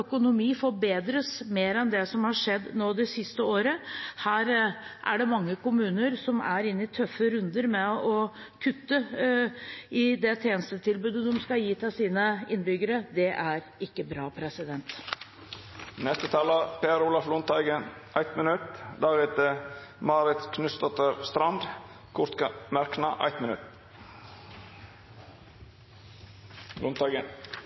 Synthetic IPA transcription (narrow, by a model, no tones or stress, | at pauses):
œkʊnʊmiːfɔbeːd̪ɾəsmeːɾɛnd̪ɛsɔmhɑʂɛd̪ːnoːd̪ɛsɪst̪əoːɾəhæːɾʔæ̰ɖɛmɑŋːəkʊmʉːnəɾsɔmæɾɪnːɪt̪ʰœfːəɾʉnd̪əɾmɛɔ | kʰʉt̪ːə | ɪd̪ɛt̪ʰeːnəst̪ət̪ʰɪlbʉːd̪əd̪ɔmskɑjiːt̪ʰɛsiːnəɪnbʏɡəɾəd̪ɛʔæɾɪkːəbɾɑːpʰɾɛsɪd̪ɛnt̪ | nɛst̪ət̪ʰɑːləpeːɾuːlɑflʊnt̪ɑɡənʔæɪt̪mənʉt̪d̪æɾɛt̪əmɑːɾɪt̪kʰnʉsd̪ɔt̪əɾst̪ɾɑnd̪ | kʰʊɾt̪kmæɾknɑʔæ̰ɪt̪mɪnʉt̪ | lʊnt̪ɑɡə